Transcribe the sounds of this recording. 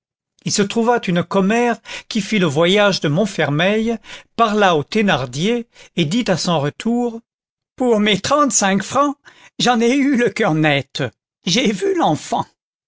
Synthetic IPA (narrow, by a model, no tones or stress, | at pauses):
ilsət̪χuvat̪ynkɔmɛʁkʲifiləvwajaʒd̪əmɔ̃fɛʁmɛjpaʁlaot̪enaʁd̪jeːd̪it̪asɔ̃ʁət̪ʰuːʁ | puʁmet̪χɑ̃t̪sɛ̃kfχɑ̃ʒɑ̃neyləkʲœʁnɛt̪ | ʒevylɑ̃fɑ̰̃